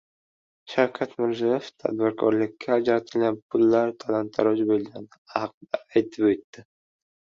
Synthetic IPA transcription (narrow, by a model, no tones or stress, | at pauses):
ʃawkʲʰat̪mɪɾzijeft̪ʰa̰d̪̚bɪɾkʰɒɾlɪkʲːaːd͡ʒɾat̪ʰɪlɡʲanpʰʊlːaɾt̪ʰalant̪ʰaɾɒd͡ʒbolɡʲanɪɑqd̪aːjt̪ʰɪpet̪ːɪ